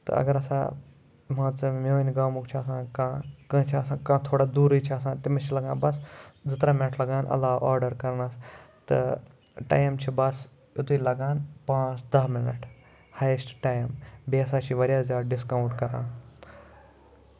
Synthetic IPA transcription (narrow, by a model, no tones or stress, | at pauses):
t̪ɨ̰ɐ̰ɡɐɾɐsã̰ː | mãːt͡sɨmoːnɡaːmukt͡ʃʰiɐsãːkãːkɐ̃t͡ʃʰiɐsãːkãːt̪ʰoːɽaːd̪uːɾɨjt͡ʃʰiɐsãːnt̪imɐt͡ʃʰilɐɡãːnbɐsd͡zɨt̪ɾaːmeʈʰlɐɡaːnʔɐ̰lːaːʔaːɾɖɐɾkɐɾnɐst̪ɨ̰ | ʈa̰ːjmt͡ʃʰibɐs | ʊt̪uilɐɡaːnpãːt͡ʃd̪ɐmɪnɐ̰ʈʰ | haːjsʈʈaːjmbiːɐsaːt͡ʃʰiʋɐɾjaːzʲjaːd̪ɖɪskaːwɳʈkɐɾã̰ː